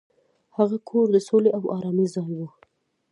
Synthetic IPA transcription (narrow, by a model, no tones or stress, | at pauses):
haɣakʰoɾd̪əsoleʔawɑɾɑmizɑŋwu